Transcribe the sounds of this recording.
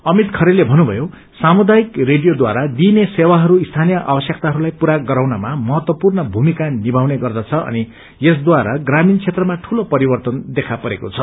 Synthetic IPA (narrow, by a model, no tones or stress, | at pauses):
ʌmit̪kʰʌɾelːebʱʌnubʱʌ̰jo | samud̪ajikreɖijod̪waɾad̪inesewaɦʌɾuist̪ʰanijʌʔa̰bʌsjʌk̚t̪aɦʌɾulajpuɾaɡʌɾawnamamʌɦʌt̪wʌpurnʌbʱumikanibʱawneɡʌrd̪at͡sʰʌʔʌ̰ni | jes̬d̪waɾaɡramint͡sʰet̪rʌmaʈʰulopʌɾibʌrt̪ʌnd̪ekʰapʌɾekot͡sʰʌ